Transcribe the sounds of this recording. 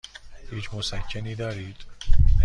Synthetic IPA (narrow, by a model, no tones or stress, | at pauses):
hiːt͡ʃʰmosækʰːeniːd̪ɒːɾiːd̪̥